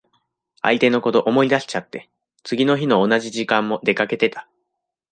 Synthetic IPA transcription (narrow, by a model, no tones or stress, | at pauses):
a̰it̪e̞no̞ko̞t̪o̞ʔomo̞id̪aɕi̥t͡ɕat̪ːe̞ | t͡sɨɡʲino̞çino̞ːnaʑiʑikãmːo̞d̪e̞kake̞t̪e̞t̪ḁ